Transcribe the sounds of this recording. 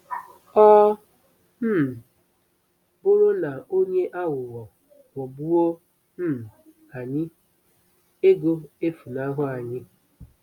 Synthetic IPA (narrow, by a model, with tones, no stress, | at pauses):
ɔ˦ | m̩˦˨ | bʊ˦ɾʊ˦na˨o˦ɲe˦ʔa˦wʊ˨wɔ˨ | ŋwɔ˨bu˦o˦ | m̩˦˨ | a˨ɲɪ˦ | e˦ɡo˦e˦fu˨na˦ɦʊ˦a˨ɲɪ˦